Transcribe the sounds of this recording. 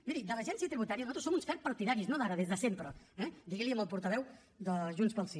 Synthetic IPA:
biðid̪ələʒɛnsiət̪ɾiβut̪aɾiənuzat̪ɾsomunskapəɾt̪iðaɾiznoðaɾəðezðəsempɾəɛd̪iɣiliəməlˠpuɾt̪əβɛw | d̪əʒunspəlˠsi

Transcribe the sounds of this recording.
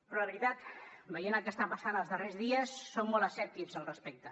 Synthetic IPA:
pɾɔəβɾit̪at̪bəjenəlˠkəst̪ampasanəlˠzðərezðiəsːommːolˠəsɛp̚t̪izəlˠrəspɛk̚t̪ə

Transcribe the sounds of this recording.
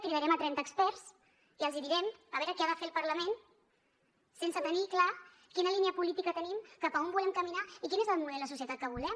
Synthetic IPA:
t̪iɾəɾɛmət̪ɾɛnt̪əːkspɛɾs | iəlˠziðiɾɛməβɛɾəkɛaðəfelˠpəɾləmen | sensət̪ənikla | kinəliniəpulit̪ikət̪ənimkapəombulɛmkəminaikinezəlˠmuðɛləsus̬jət̪at̪̚kəβulɛm

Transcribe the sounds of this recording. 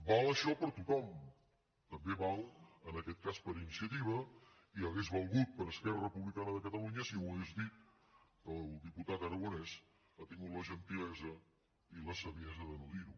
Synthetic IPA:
balˠəʃɔpəɾt̪ut̪ɔm | t̪əmbeβalˠənəkɛt̪̚kaspəɾinisiət̪iβ̞ə | iəɣezβəlˠɣut̪̚pəɾəskɛrərəpuβlikanəðəkət̪əluɲəsiuəɣezðit̪̚ | kəlˠd̪iput̪at̪əɾəɣunɛs | at̪iŋɡut̪ləʒənt̪ilɛzə | iləsəβiɛzəðənuðiɾu

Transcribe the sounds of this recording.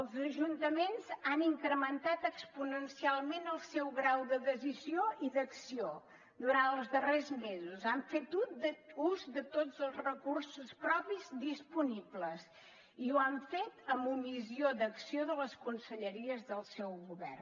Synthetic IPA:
əlˠzəʒunt̪əmenzaniŋkɾəmənt̪at̪əkspunənsialˠmenəlˠsɛwɣɾawðəðəzizioʔiðəksio | d̪uɾant̪əlˠzðərezmezuzaɱfet̪ud̪uzd̪ət̪od͡zəlˠzrəkursuspɾɔpizd̪ispunibləz | iuaɱfet̪əmbumiziod̪əksioðələskunsəʎəɾiəzðəlˠsɛwɣuβɛ̰r

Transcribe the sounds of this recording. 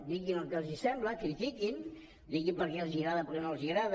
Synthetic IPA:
d̪iɣinəlˠkelˠzisɛmbləkɾit̪ikin | d̪iɣimpəɾkɛlˠziɣɾaðəpəɾkɛnoəlˠziɣɾað

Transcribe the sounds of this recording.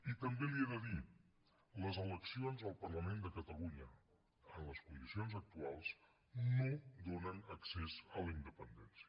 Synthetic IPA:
it̪əmbelieðəði | ləzələksionzðəlˠpərləmend̪əkət̪əluɲə | ənləskund̪isionzək̚t̪ualˠz | nod̪onənəksezələind̪əpənd̪ɛnsiə

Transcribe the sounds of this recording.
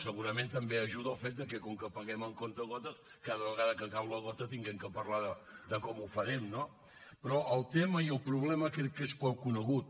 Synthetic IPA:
səɣuɾəmẽnt̪əmbeəʒuðəlˠfet̪̚d̪əkɛkɔŋkəpəɣɛməŋkont̪əɣɔt̪ə | kaðəβəɣaðəkəkawləɣɔt̪ət̪iŋɡɛmkəpərlaðəd̪əkɔmufəɾɛmno | pɾɔʔəlˠt̪eməiəlˠpɾuβ̞lɛməkekespɔwkːunəɣut̪̚

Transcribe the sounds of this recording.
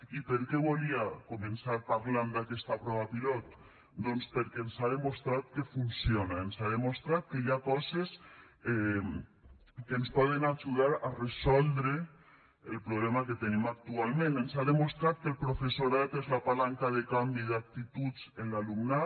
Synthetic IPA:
ipeɾkɛβoliakomensaɾpaɾland̪akɛst̪apɾɔβapilɔt̪ | d̪ɔnspəɾkɛnsaðemost̪ɾat̪̚kefunsjonaensaðemost̪ɾat̪̚kejakɔzes | ɛ | kenspɔð̞enad͡ʒuðaɾaresɔlˠd̪ɾe | elpɾoβlɛmaket̪enimak̚t̪ualˠmẽnensaðemost̪ɾat̪̚kelpɾofesoɾat̪ezlapalaŋkaðekambiðak̚t̪it̪ut͡senlalumna

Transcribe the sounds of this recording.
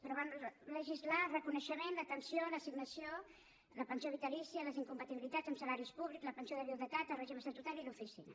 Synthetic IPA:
pɾɔβanləʒizlarəkunəʃəmenlət̪ənsioləsiɡnəsio | ləpənsioβit̪əlisiələziŋkumpət̪iβilit̪ḁzəmsəlaɾispuβlikzləpənsijoðəβjuðət̪at̪ərɛʒiβəsat̪ut̪alilufisinə

